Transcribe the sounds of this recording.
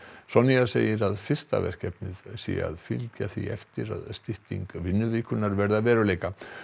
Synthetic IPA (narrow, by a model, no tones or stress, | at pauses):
sɔnijaseːjɪɾaðfɪ̥st̪a̰vɛ̰r̥kcɛpnɪðsḭa̰ðfɪlcaθiɛ̰ft̪ɪɾa̰ðst̪ɪht̪iŋkvɪnːʏvɪːkʏnːaɾvɛɾðavɛːɾʏleːjka